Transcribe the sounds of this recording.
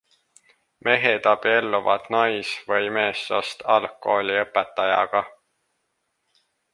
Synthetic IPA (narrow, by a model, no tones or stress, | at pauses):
me̞ɦed̪̥ɑb̥ie̞lːuvɑ̰d̪̥nɑjsvɤjme̞ːsːo̰st̪ɑlkˑo̞ːlʲiɤpːˑet̪ːˑɑjɑ̰ɡ̥ɑ